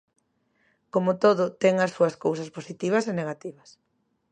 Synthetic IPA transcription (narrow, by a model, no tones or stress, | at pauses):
komot̪oðʊt̪ɛŋɐsːuɐskowsɐsposit̪iβ̞ɐseneɣat̪iβɐs